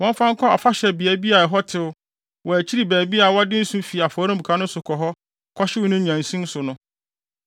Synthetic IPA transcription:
wɔ̃˦m˦fã˦ŋ̩˦kʰɔ˦a˨fa˦ɕɛ˨bɪ˨ɛ˦bi˦a˨ɛ˨ɦɔ˦tʰɪ˦ʊ˦ | wɔ˨æ˨t͡ɕʰi˦ɾi˨bæː˨bi˦a˨wɔ˦dɪ˦n̩˦sũ˦mfi˨a˨fɔ˨˦ɾ̃ʊ̃˦bu˨kʰã˦nʊ̃˦sʊ˨kʰɔ˨ɦɔ˦ | kʰɔ˦ɕɪ˦wʊ˦nʊ̃˦ɲã˨n̩˨sĩ˦n˦sʊ˨nʊ̃˦

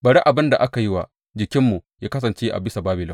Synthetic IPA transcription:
bɐ˨ɽi˦ʔa˨bɪ˦nda˨ʔa˦ka˨ji˦wa˨ | d͡ʒɪ˨kʲɪ˦mːu˨jaː˦kɐ˦s̬ɐ˨nt͡ʃeː˦ʔa̰˨bɪ˦sa˨baː˦bɪ˨lɪ˦

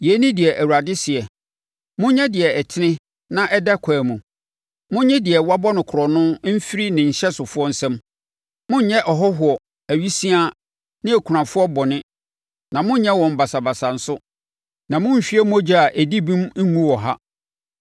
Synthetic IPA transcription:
jɛ˨˦nɪ̃˦dɪ˨ɛ˨ʔæ˨wu˨ɾa˨dɪ˦sɪ˨ɛ˨ | mʊ̃˦ɲɛ̃˦dɪ˨ɛ˨ɛ˨tʰɪ˦nɪ̃˦ | nã˦ʔɛ˦dɛ˦kʰaː˨mũ˨ | mʊ̃˦ɲɛ̃˦dɪ˨ɛ˨wa˦bɔ˦nʊ̃˨kʰʊ˨ɾɔ˨nʊ̃˦m̩˦fi˦ɾi˦nɪ̃˨ɲ̩˨ɕɛ˦sʊ˨fʊ˦ɔ˦n̩˦sɛ̃˦m | mʊ̃˦ɲ˦ɲɛ̃˦ʔɔ˨ɦɔ˦ɦʊ˨ɔ˨ | æ˨ɥi˦sĩ˦a˦ | nɪ̃˦æ˨kʰu˨ɾã˨fʊ˦ɔ˦bɔ˨nɪ̃˦ | nã˨mʊ̃˦ɲ˦ɲɛ̃˦wɔ̃˨m̩˨ba˨sa˨ba˨sa˨n̩˨˦sʊ˦ | nã˨mʊ̃˦m̩˨ɕᶣɥɛ˦m˦ɔ˦d͡ʑi˦a˨ʔæ˨di˦bĩ˦mŋ̩˦ŋũ˦wɔ˨ɦa˦

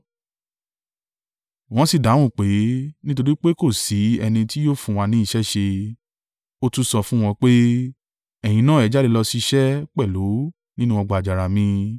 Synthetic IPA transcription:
w̃ɔ̃˧˦si˦˨dã˨˦ũ˦˨k͡pe˨˦nĩ˦t̬o˧ɾi˦k͡pe˦ko˦˨si˨˦ɛ˧nĩ˧ti˦joː˦˨fũ˧w̃a˧nĩ˨˦i˧ʃɛ˦ʃe˧ | o˦tu˦sɔ˧fũ˦w̃ɔ̃˧k͡pe˦ | ɛ˨j̃ĩ˧nã˦ɛ˨d͡ʒa˦de˧lɔ˧si˧ʃɛ˦k͡pɛ˦˨lo˨˦ | nĩ˦nũ˦ɔ̃˧ɡ͡ba˨d͡ʒa˨ɾa˨mĩ˧

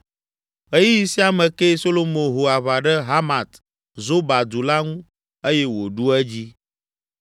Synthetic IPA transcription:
e˦ji˦ji˨si˦a˨mɛ̃˨ke˦so˦lo˦mõ˨ɦo˨a˨βa˨ɖɛ˦ɦa˦ma˨t̪ | zo˦ba˨d̪u˨la˦ŋũ˦ | e˦jɛ˦wo˨ɖu˦ɛ˦d͡ʑi˦

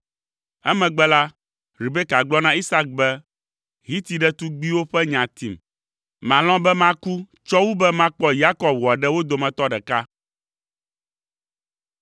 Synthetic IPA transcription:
ɛ˦mɛ̃˨ɡ͡bɛ˦la˦ | ɾi˨bɛ˦ka˨ɡ͡blɔ˦nã˦i˦sa˦k̚bɛ˦ | ɦi˦t̪i˨ɖɛ˦t̪u˦ɡ͡bi˦wo˦ɸɛ˦ɲã˨t̪i˨m | mã˨lɔ̃˦bɛ˦mã˦ku˦ | t͡ʃɔ˦wu˦bɛ˦mã˦k͡pɔ˦ja˦kɔ˨bwɔ˨a˨ɖɛ˦wo˦d̪o˨mɛ̃˨t̪ɔ˦ɖɛ˨ka˦

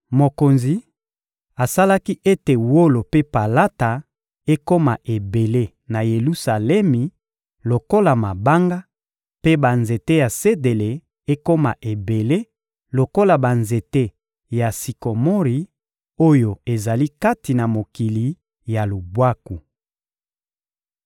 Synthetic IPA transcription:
mo˨ko˨nzi˨ | a˨sa˦la˦ki˦ʔe˦te˨wo˦lo˨pe˦pa˨la˦ta˨ | e˦ko˦ma˨ʔe˨be˨le˦ | na˨je˨lu˦sa˨lɛ˦mi˨ | lo˨ko˦la˨ma˨ba˦ŋɡa˦ | pe˦ba˨nze˨te˦ja˨se˦de˨le˨ | e˦ko˦ma̰˨ʔe˨be˨le˦ | lo˨ko˦la˨ba˨nze˨te˦ | ja˨si˨ko˨mo˦ʁi˨ | o˦jo˨e˨za˨li˦ka˦ti˨na˨mo˨ki˨li˨ | ja˨lu˨bwa˦ku˨

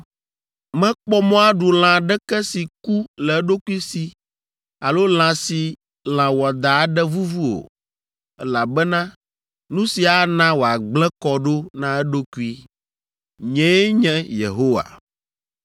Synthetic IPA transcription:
mɛ̃˦k͡pɔ˦mɔ̃˦a˦ɖu˨l̃ã˨ɖɛ˦kɛ˦si˨ku˦lɛ˨ɛ˦ɖo˦ku˦i˦si˨ | a˨lo˦l̃ã˨si˨ | l̃ã˨wɔ˨d̪a˨˦ɖɛ˦vu˦vu˦o̰˨ | ɛ˦la˨bɛ˦nã˦ | nũ˦si˨a˨nã˦wo˨a˨ɡ͡blɛ˦kɔ˨ɖo˦nã˦ɛ˦ɖo˦ku˦i˦ | ɲɛ̃˦ɲɛ̃˦jḛ˨ɦo˦wa̰˨

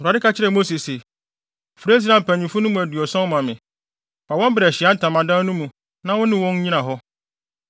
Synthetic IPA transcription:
a˨dɪ˦ka˦t͡ɕʰɪ˦ɾɛ˨mo˦si˨se˨ | fɾe˦s̬ɾã˨m̩˨pʰæ̃˨ɲĩ˨fʊ˦nʊ̃˦mũ˨æ˨dɥɔ˨sã˦mã˨mɪ̃˨ | pa˨wɔ̃˦m˦bɪ˨ɾɛ˨ɕɪ˨a˦n̩˦tʰã˨mã˨dã˦nũ˦mũ˨ | nã˦wʊ̃˦nɪ̃˦wɔ̃˦n˦ɲĩ˦nã˨ɦɔ˦

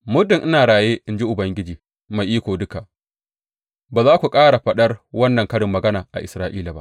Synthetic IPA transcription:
mʊ˦dɪ˨ŋʔɪ˦naː˨ɽaː˨jeː˦ʔɪ˨nd͡ʒi˦ʔʊ˨bɐ˦ŋɡʲɪ˦d͡ʒiː˨ | ma˨jʔiː˦kʷoː˨dʊ˦ka˨ʔ | baː˨zaː˦kʷu˨kʼaː˦ɽa˨ɸɐ˦ɗɐ˦rwɐ˦nːɐ˨ŋkɐ˦ɽɪ˨mːɐ˨ɡɐ˦naː˨ʔa̰˨ʔɪ˨sɾaː˦ʔiː˦la˨ba̰˦ʔ

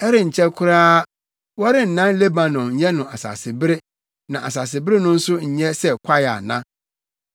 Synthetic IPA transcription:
ɛ˦ɾɪ˦ɲ̩˨t͡ɕʰɛ˦kʰʊ˦ɾaː˦ | wɔ˦ɾɪ˦n̩˨nã˦n˦le˦bã˨nɔ̃˨mɲ̩˨˦jɛ˦nʊ̃˨a˨sa̰ː˨sɪ˨bɪ˦ɾɪ˦ | nã˨ʔa̰˨s̬aː˨s̬ɪ˨bɪ˦ɾɪ˦nʊ̃˦n̩˦sʊ˦ɲ̩˨ɲɛ̃˦sɛ˦kʷʰa˦ja̰˨nã̰˦

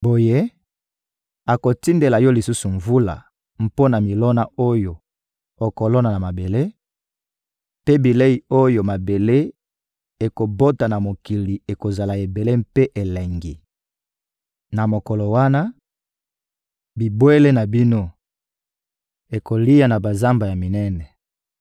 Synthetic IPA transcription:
bo˨je˦ | a˨ko˨ti˦nde˨la˨jɔ˦li˨su˦su˨ɱvu˦la̰˨ | m̩˨po˦na˨mi˨lɔ˦na˨o˦jo˨ | o˨ko˨lɔ˦na˨na˨ma˨be˨le˦ | pe˦bi˨le˦i˨o˦jo˨ma˨be˨le˦ | e˨ko˨bo˦ta˨na˨mo˨ki˨li˨e˨ko˨za˨la˨e˨be˨le˦mpe˦ʔe˨le˨ŋɡi˨ | na˨mo˨kɔ˨lo˨wa˦na˦ | bi˨bwe˦le˦na˨bi˦no˦ | e˨ko˨li˦ja˨na˨ba˨za˦mba˨ja˨mi˨nɛ˦nɛ˨

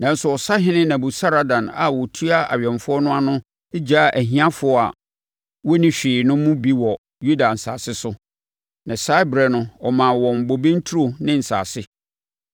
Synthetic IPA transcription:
nã˨n̩˦sʊ˨ɔ˨sa˦ɦɪ̃˦nɪ̃˦nã˨bʊ˨sa˦ɾa˨dã˨na̰˨wɔ˨tʰu˦a˦a̰˨ɥᶣɛ̃˨nfʊ˦ɔ˦nʊ̃˦a˦nʊ̃˦ | e˦d͡ʑa˦˨ʔæ˨ɦĩ˦ã˦fʊ˨˦ɔ˦˨a̰˨ | wɔ˦nĩ˦ɕᶣɪː˨nʊ̃˦mʊ̃˦bi˦wɔ˨ | ju˦da˨n̩˨saː˨sɪ˦sʊ˦ | nʔã˨sa˦bɾɛ˨nʊ̃˦ɔ˨mã˨wɔ̃˨m̩˨bo˨bẽ˦n˦tʰu˦o˨nɪ̃˦n̩˨sa̰ː˨sɪ˦

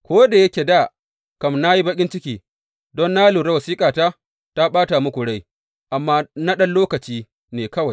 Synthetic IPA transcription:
kʷoː˦da˨jɐ˦kʲe˨da˦˨ | kɐ˨mna˦ji˦bɐ˦kʲʼɪ˦nt͡ʃɪ˦kʲiː˨ | dɔ˦nːaː˦luː˨ɾɐ˦wɐ˨siː˦kʼaː˨taː˦ | ta˦ɓaː˦ta˨mʊ˦kʷʊ˨ɽa˦j | ʔa˨mːaː˦na˦ɗɐ˦nloː˦kɐ˨t͡ʃiː˦ | neː˨kɐ˦wa˨j

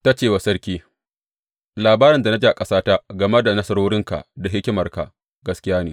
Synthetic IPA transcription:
ta˦t͡ʃeː˦˨wa˨sɐ˦ɽkʲiː˦ | laː˨baː˦ɾɪ˨nda˨na˦d͡ʒiː˦ʔa˨kʼɐ˦saː˦ta˦ɡɐ˨me˦da˨nɐ˦sɐ˦ɾoː˦ɽɪ˦ŋka̰˨da˨ɦɪ˦kʲɪ˦mɐ˨rka̰˨ | ɡɐ˨skʲɪ˦jaː˦neː˨

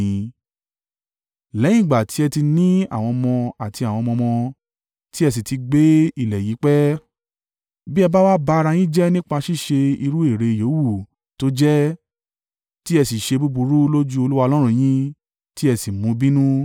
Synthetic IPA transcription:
ĩ˧ | lɛ̃˨˦ĩ˦˨ɡ͡ba˨tʰi˨˦ɛ˧ti˧nĩ˦a̰˦˨w̃ɔ̃˧mɔ̃˧a˨ti˧a˨w̃ɔ̃˧mɔ̃˧mɔ̃˧ | ti˦ɛ˧s̬i˨ti˧ɡ͡be˨˦i˦˨lɛ˨ji˨˦k͡pɛ˦ | bi˦ɛ˧ba˦wa˦ba˧˦˧ɾa˧j̃ĩ˦d͡ʒɛ˦nĩ˦k͡pa˧ʃi˦ʃe˧i˧ɾu˦e˦˨ɾe˧˨jo˨˦wu˦˨ | to˦d͡ʒɛ˦ | ti˦ɛ˧si˨ʃe˧bu˦bu˧ɾu˦lo˦d͡ʒu˦o˧lu˦wa˧o˧lɔ̃˦ɾ̃ũ˦˧j̃ĩ˦ | ti˦ɛ˧si˨mũ˧bĩ˦nũ˦

